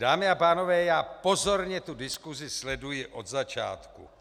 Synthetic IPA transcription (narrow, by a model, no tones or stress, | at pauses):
daːmɪapaːnovɛːjaːpo̞zo̞ɾɲɛt̪udɪskuzɪslɛdujɪʔo̞d̪zat͡ʃa̰ːt̪kṵ